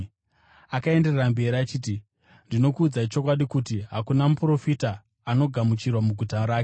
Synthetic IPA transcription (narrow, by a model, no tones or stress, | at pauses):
akae̞nde̞rerambe̞ɾiat͡ʃiːt̬i | ndino̞kuːd͡zait͡ʃo̞k̬waɗikutiɦakunamupro̞fitaː | no̞ɡʱamut͡ʃirwamuɡʱutaɾaːke